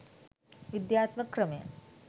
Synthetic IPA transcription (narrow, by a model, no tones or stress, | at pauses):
ʋid̪jaːt̪ʋɐkɾəmejɐ̰